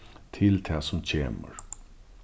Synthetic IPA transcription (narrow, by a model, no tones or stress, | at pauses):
t̪ʰɪlt̪ʰɛːsʊmt͡ɕʰeːmə̰ɹ